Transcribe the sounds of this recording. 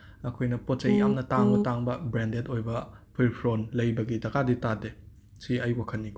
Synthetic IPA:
ɐkʰojnɐpot̚t͡ʃɐjjamnɐtaŋbɐtaŋbɐbɾendetojbɐpʰiɾpʰɾonlɐjbɐɡitɐkʰaditade | siɐjwakʰɐnːik

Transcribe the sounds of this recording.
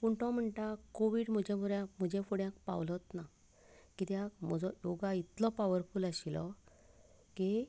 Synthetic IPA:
puɳʈɔ̃m̤əɳʈakoʋiːɽm̤əd͡ʑẽmuɾjãm̤əd͡ʑɛfuɽjãk̚pa̰wlɔt̪na | kit̪jakm̤ɔd͡zɔjoɡait̪lɔpaʋəɾfulaɕilɔ | ki

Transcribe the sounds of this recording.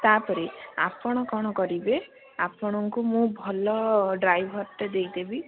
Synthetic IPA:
t̪apɔɾia̰pɔɽ̃ɔkɔɽ̃ɔkɔɾibe | apɔɽ̃ɔŋkumũbʱɔlɔɖɾajbʱɔɾt̪ed̪ejd̪ebi

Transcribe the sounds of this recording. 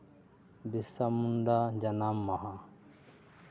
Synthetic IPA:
bisɐmund̪ad͡ʒɐnamːaɦa

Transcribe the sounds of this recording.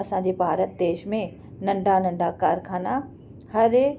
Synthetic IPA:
ɐsãd͡ʑeːbʱaːɾət̪̚d̪eːʃmẽ | nɐ̃ɳɖʱanɐ̃ɳɖʱakaːɾkʰaːna | hɐɾ

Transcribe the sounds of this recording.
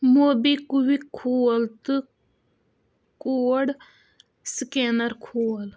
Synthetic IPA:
moːbikuwikʰoːlt̪ɨ | koɽ | skeːnəɾkʰoːl

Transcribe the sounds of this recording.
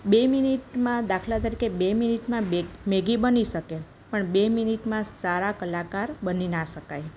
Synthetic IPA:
beminiʈmãd̪akʰlat̪əɾikebeminiʈmãemeɡibəniʃəke | pəɳbeminiʈmãsaɾakəlakaɾbəninaʃəkaj

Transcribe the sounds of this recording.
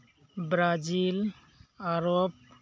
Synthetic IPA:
bɾazil | aɾɔb̚

